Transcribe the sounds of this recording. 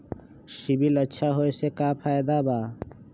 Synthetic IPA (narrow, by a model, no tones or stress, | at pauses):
ʃibiləʃʰaɦojesʰekapʰajd̪aba